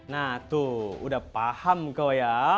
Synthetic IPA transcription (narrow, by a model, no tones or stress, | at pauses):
naht̪uṵdahpahamkoja